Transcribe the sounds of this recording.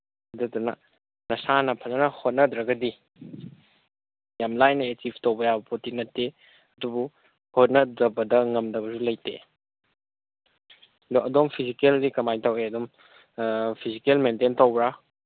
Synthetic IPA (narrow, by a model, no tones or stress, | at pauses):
ɐdɐdunɐ̰ | nɐsanɐpʰɐlɐnɐhot̚nɐdɾɐɡɐdi | jamlajnɐetibtɐwbɐjabɐpʰotinɐtːe | ɐdubu | hot̚nɐdɐbɐdɐŋɐmdɐbɐzulɐjtḛ | doʔɐdompʰizikeldikɐmajtaweɐdom | pʰizikelmententawbɾa